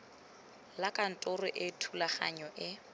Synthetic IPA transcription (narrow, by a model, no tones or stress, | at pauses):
lakʼan̩tʼʊrʊʔɪtʰulaχa̰ɲɔʔɪ